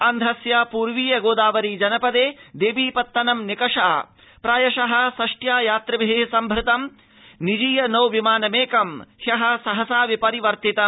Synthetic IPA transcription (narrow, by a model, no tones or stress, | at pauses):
ɐnd̪ʱɐsjaːpuːɾʋiːjɐɡoːd̪aːʋɐɾiːd͡ʒɐnɐpɐd̪eːd̪eːʋiːpɐt̪ːɐnɐmnikɐʂa̰ː | pɾaːjɐʃɐɦɐ̆sɐʂʈjaːjaːt̪ɾɐʋiɦesɐmbʱɾɪt̪ɐm | nid͡ʒiːjɐnɐwʋimaːnɐmeːkɐmhjɐɦɐ̆sɐɦɐsaːʋipɐɾiʋɐɾt̪it̪ɐ